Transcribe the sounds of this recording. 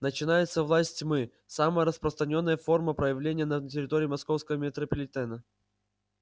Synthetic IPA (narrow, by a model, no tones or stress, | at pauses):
nət͡ɕɪnajɪt̪səvlˠasʲtʲmɨ | saməjəɾəspɾəst̪ɾɐnʲo̞nːəjəfo̞rməpɾəjɪvlʲenʲɪjənətʲɪɾʲɪt̪o̞ɾʲiːmɐsko̞fskəvəmʲɪt̪ɾəpəlʲɪt̪ɛnə